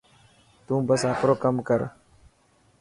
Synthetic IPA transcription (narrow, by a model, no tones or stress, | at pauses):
t̪ũːbɐsaːkʰɾoːkɐmkɐɾ